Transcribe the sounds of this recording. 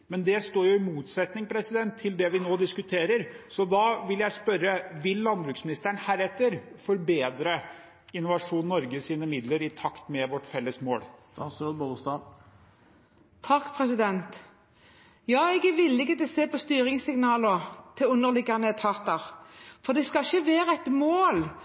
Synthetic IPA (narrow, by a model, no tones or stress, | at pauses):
mɛnd̪ɛst̪oːɾjʊɪmuːt̪sɛt̪nɪŋpʰɾɛsɪd̪ɛnt̪ʰːɪld̪ɛʋɪnoːd̪ɪskʉt̪ʰeːɾəɾsɔd̪ɑʋɪljæɪspœɾːəʋɪlːɑnbɾʉːksmɪnɪst̪əɳhæːɾɛt̪ːəɾfɔɾbeːd̪ɾə | ɪnːʊʋɑʂuːnnɔɾɡəsiːnəmɪd̪ləɾɪt̪ʰɑkt̪mɛʋɔʈːfɛlːəsmoːl | søbolst̪ɑ | t̪ʰɑkːpʰʁɛsɪd̪ɛnt̪ | jɑːɛɡɛʋɪlːɪkət̪ɛseːpɔst̪yːɾɪŋsɪŋnɑːləʁt̪ʰɪʉnːəʁlɪɡɑnət̪ʰɑʁt̪ɑɾfɔd̪ɛskɑɪçəʋeːɾəɛt̪moːl